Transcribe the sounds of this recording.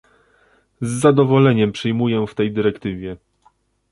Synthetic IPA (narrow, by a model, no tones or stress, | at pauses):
zːad̪ɔvɔlɛɲɛmpʂɘjmujɛft̪ɛjd̪ɘɾɛkt̪ɘvʲjɛ